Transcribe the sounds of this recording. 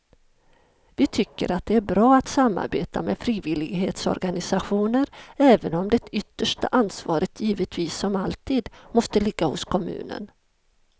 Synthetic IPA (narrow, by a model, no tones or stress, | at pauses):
vɪt̪ʰʏkːə̰ɾat̪̚d̪ɛæɾbɾɑːat̪samːa̰ɾbḛːt̪amɛfɾiːvɪlɪɡɦeːt̪sɔ̰ɾɡanɪsaɧuːnəɾɛːvənɔmd̪ɛt̪ʏt̪ːəʂʈa̰ʔansvɑːɾət̪ʰjiːvət̪viːsːɔmalt̪ʰiːd̪mɔst̪əlɪɡːahʊ̰skʰɔmʉ̟̰ːnə̰n